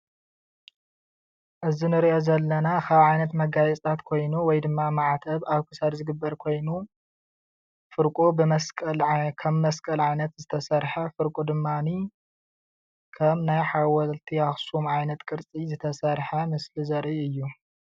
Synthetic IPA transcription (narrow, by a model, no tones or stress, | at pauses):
ʔɨzinɨɾiʔo̞zɐlːɐnakʰaβʕajnɐt̪mɐɡajɛt͡sʼt̪ʰat̪kʰo̞jnuwɔjd̪ɨmːamaʕat̪ʰɐβaβkʰɨ̥sɐɾzɨɡɨbːɐɾkʰo̞jnu | fɨɾkʼubɨmɐskʼɐlkʰɐβmɐskʼɐlʕajnɐt̪zɨt̪ʰɐsɐɾħɐfɨɾkʼud̪ɨmːani | kʰɐmnajħawɐlt̪ʰihaxsumʕajnɐt̪kʼɨɾt͡sʼizɨt̪ʰɐsɐɾħɐmɨslizɐɾʔiɨjːu